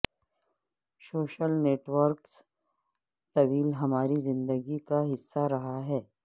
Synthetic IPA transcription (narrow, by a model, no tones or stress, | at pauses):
soːʃəlneːʈʋəɾks | t̪ɐʋiːlɦɐmaːɾizɪ̃nd̪əɡikaɦɪsːaɾɐɦaɦɛː